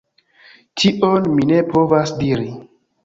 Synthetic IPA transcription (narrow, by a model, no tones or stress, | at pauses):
tʰiʔonmine̞pʰo̞vasdiɾi